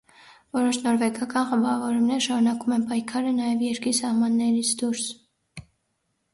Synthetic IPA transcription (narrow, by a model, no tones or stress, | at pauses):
vɔɾɔʃnɔɾvɛɡɑkɑnχəmbɑvɔɾumnɛɾəʃɑɾunɑkumɛnpɑjkʰɑɾənɑjɛvjɛɾkɾisɑhmɑnːɛɾit͡sʰd̪uɾs